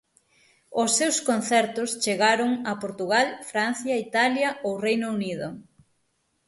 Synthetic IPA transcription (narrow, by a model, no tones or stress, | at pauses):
ʊsːewskonθɛɾt̪ʊst͡ʃeɣaɾʊŋɐpoɾt̪uɣalfɾan̟θjɐit̪aljɐowrejnouniðʊ